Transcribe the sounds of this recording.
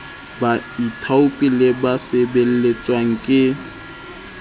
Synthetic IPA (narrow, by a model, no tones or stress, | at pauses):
baitʰaʊpʼilɪbasebel̩let͡sʼwaŋ̩kʼɪ